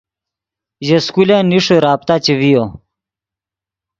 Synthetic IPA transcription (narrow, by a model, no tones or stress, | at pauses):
jeskuleniʂuɾaːp̚t̪at͡ɕewijo